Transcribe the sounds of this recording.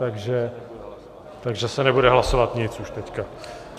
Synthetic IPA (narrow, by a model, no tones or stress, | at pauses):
t̪aɡʒɛ | t̪aɡʒɛsɛnɛbudɛɦlaso̞vat̪ɲɪt͡suʃt̪ɛcka